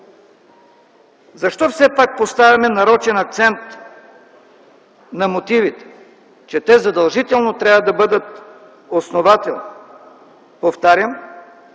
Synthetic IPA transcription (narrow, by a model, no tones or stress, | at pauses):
zɐʃt̪ɔfsɛpak̚post̪avʲɐmɛnɐɾɔt͡ʃɛnɐk̚t̪sɛnt̪ | nɐmot̪ivit̪ɛ̥ | t͡ʃɛt̪ɛzɐd̪ɐlˠʒit̪ɛlˠnot̪ɾʲavvɐd̪ɐbɤd̪ət̪ | osnovat̪ɛlˠni | poft̪aɾʲjəm